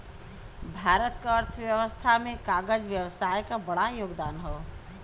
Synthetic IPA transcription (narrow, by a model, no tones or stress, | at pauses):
bʱaːɾət̪kaəɾt̪ʰʋjəʋəst̪ʰamẽkaːɡəd͡ʒʋjəʋsaːjkabəɽajoːɡd̪aːnɦo